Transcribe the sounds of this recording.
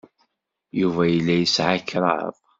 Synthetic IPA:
juvæjəlːæjəsʕakːɾˤɑ̰ðˤ

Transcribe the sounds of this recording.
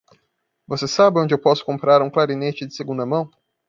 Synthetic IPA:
vosesabɪõnd͡ʒɪewpɔsʊ̥kõmpɾaɾũklaɾinet͡ʃɪd͡ʒɪseɡũnd̪ɐmɐ̃w̃

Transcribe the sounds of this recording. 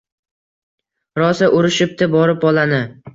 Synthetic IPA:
ɾɒsaʔʊɾɪʃɪp̚t̪ɪbɒɾɪpɒlanɪ

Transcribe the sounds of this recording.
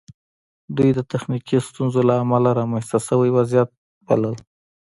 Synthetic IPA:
d̪ujd̪ət̪axnikist̪unzolaːmalaɾamanst̪asəwajwazijat̪̚ | ba̰ləl

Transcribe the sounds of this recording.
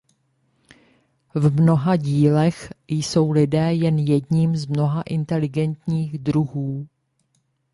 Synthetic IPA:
vmno̞ɦaɟiːlɛxjso̞wlɪdɛːjɛnjɛdɲiːmzmno̞ɦaʔɪnt̪ɛlɪɡɛnt̪ɲiːɣd̪ɾuɦuː

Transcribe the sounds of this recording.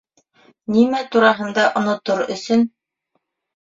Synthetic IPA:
nimæt̪uɾɑɦɤ̆nd̪ɑʔŏnŏt̪oɾɵ̰̆sɵn

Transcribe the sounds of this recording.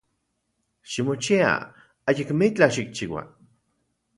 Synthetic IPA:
ʃimot͡ʃia̰ | ajikmit͡ɬaʃik̚t͡ʃiwa̰

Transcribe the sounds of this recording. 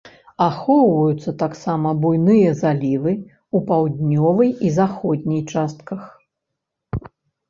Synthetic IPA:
axɔwvɐjut̪sːɐt̪aksamɐbujnɨjɐzalʲivɨ | upawd̪ʲnʲɔvɨjizaxɔd̪ʲnʲijt͡ʂast̪̚kɐx

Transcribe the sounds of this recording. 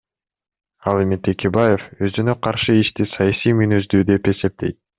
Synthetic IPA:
ɑlˠemit̪ʰe̞kʲe̞baje̞fø̞zynø̞qʰɑɾʃɯiʃt̪isɑjɑsijmynyzd̪yːd̪e̞pe̞se̞p̚t̪e̞̰jt̪̚

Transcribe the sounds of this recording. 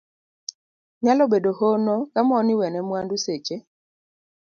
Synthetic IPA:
ɲalɔɓedohonokamɔniwɛnɛmwanduset͡ʃe

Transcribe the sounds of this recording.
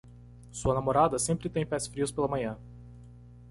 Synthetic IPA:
suɐnamoɾad̪ɐsẽmpɾɪt̪ẽj̃pɛsfɾiʊspelɐmɐ̃ɲɐ̃

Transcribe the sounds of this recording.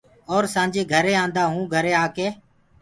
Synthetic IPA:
ɔːɾsãːd͡ʒeːɡʱəɾeːãːnd̪aːɦũːɡʱəɾeːaːkeː

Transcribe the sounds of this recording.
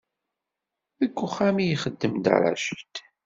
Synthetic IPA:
ðəɡʷːʊχæmijχəd̪ːəmd̪a̰ɾˤa̰ʃət̪

